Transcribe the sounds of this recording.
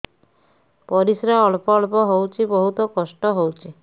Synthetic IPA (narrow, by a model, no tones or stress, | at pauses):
pɔɾisɾaɔɭpɔːɭpɔɦowt͡ʃʰibɔɦut̪ɔkɔsʈɔɦowt͡ʃʰi